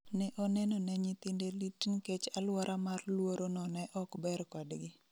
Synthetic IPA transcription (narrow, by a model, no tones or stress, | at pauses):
nɛʔɔnɛnɔnɛɲit̪indelitnket͡ʃalwɔɾʔamarlwoɾonɔnɛʔɔkbɛrkɔdɡɪ